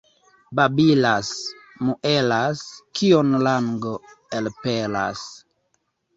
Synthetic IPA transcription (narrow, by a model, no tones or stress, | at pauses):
babilas | muʔelaskionlaŋɡoelpela̰s